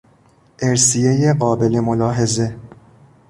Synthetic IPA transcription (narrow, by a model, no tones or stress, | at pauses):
ʔeɾsijejeɢɒːbe̞le̞molɒːɦe̞ze